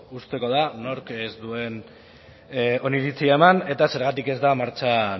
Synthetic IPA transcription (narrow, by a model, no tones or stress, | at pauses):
ust̪e̞ko̞ð̞ano̞ɾkezd̪ue̞n | o̞niɾit͡siaemane̞t̪ase̞ɾɣat̪ike̞zd̪amaɾt͡ʃa